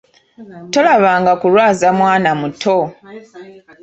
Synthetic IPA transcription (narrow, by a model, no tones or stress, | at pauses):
to̞laβaːŋɡakulwaːzamwaːnamutʰo